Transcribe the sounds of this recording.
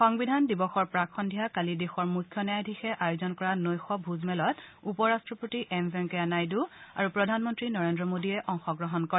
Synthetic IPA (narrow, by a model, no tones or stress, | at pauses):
xɔŋbidʱandibɔxɔɹpɹakʰːɔndʱijakalidexɔɹmukʰːjɔnɛjajdʱixɛʔajozɔnkɔɹanojxɔbʱuzmɛlɔtupɔɹastɹɔpɹotiʔɛmbɛŋkeanajdua̰ɹupɹɔdʱanmɔntɹinɔɹendɹɔmodiɛʔɔŋxɔɡɹɔɦɔnkɔɹɛ